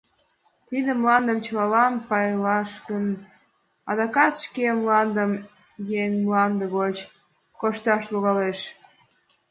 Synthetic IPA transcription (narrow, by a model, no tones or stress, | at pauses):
t̪id̪emlɑnd̪əmt͡ɕəlɑlɑnpɑjlɑʃkən | ɑd̪ɑkɑt̪ʃkemlɑnd̪əm | jeŋmlɑnd̪əɣot͡ɕ | koʃt̪ɑʃloɣɑleʃ